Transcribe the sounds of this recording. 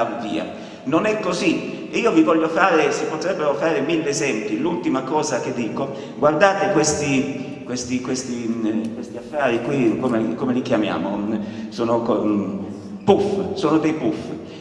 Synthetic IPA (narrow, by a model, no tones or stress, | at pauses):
avovḭːa̰ | nonɛkːozi | iːovivɔʎːofaːɾesipot̪ɾɛbːeɾofaːɾemilːeezɛmpilult̪imakɔːzak̟ed̪ːiːko | ɡward̪aːt̪ekwest̪i | kwest̪ikwest̪ikwest̪iafːaːɾikwikomekomelikjamja̰ːmosoːnok | pufsoːnod̪ejpuf